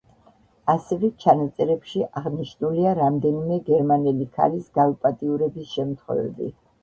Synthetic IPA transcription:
asɛvɛt͡ʃʰanat̪sʼɛɾɛpʃiʔaʁniʃnuliaɾamd̪ɛnimɛɡɛɾmanɛlikʰa̰lisɡaupʼat̪ʼiuɾɛbisʃɛmt̪ʰχwɛ̰vɛ̰bḭ

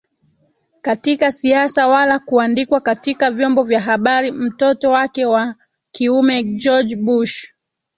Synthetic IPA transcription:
katikasiasawalakuandikwakatikavjɔmbɔvjaɦaɓaɾim̩tɔtɔwakɛwa | kiumɛd͡ʒɔd͡ʒɓuʃ

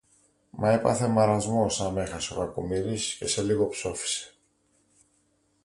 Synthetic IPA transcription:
mʔɐepɐ̰θe̞mɐɾɐzmo̞sɐme̞xɐseo̞kɐkumiɾisce̞se̞liɣo̞pso̞fi̥se̥

